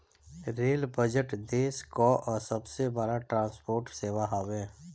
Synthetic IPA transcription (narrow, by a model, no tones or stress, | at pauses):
ɾeːlbəd͡ʒəʈd̪eːskoʔɔːɾsəbsebəɾaʈɾãːspoːɾʈseːʋaɦaːʋẽː